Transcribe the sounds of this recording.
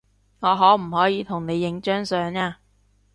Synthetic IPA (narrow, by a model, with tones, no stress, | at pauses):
ŋɔː˨˧ɦɔː˨˥m̩˨˩hɔː˨˥jiː˨˧t̪ʰʊ˨˩ŋne˨˧jːɪ˨˧˥ŋt͡ʃœː˥ŋsœː˨˧ŋaː˧